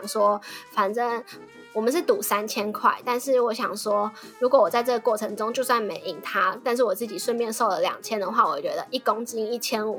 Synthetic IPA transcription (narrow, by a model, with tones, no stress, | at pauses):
ŋʂwɔ˥fa˨˩nʈ͡ʂə˥ŋ | wɔ˨˩mə˦nʂ̬ɻ̩˥˩t̪u˨˩˦sa˥nt͡ɕʰjɛ˥nkʰwa̰˥˩ɪt̪a˥˧nʂɻ̩˥˩wɔ˧˥ɕjɑ˨˩ŋʂwɔ˥ɻu˧˥kwɔ˨˦wɔ˨˩t͡sa˥˧ɪʈ͡ʂɤ˥˩ɡə˩kwɔ˥˩ʈ͡ʂʰɤ˧˥ŋʈ͡ʂʊ˥ŋt͡ɕjo˥˧ʊswa˥˩nme˧˥ɪʔi˨˩˦ŋt̪ʰa˥t̪a˥˧nʂ̬ɻ̩˥˩wɔ˨˩t͡sɹ̩˥˩t͡ɕi˨˩ʂwə˥˧nmjɛ˥˧nʂo˥˩ʊlə˨˩ljɑ̰˨˩ŋt͡ɕʰjɛ˦˥nd̪ə˨˩xwa˥˩wɔ̰˨˩t͡ɕɥɛ̰˧˥d̪ə˧ʔi˥˩ko˥ŋt͡ɕ̩˥i˥ŋi˥˩t͡ɕʰjɛ˥nṵ˨˩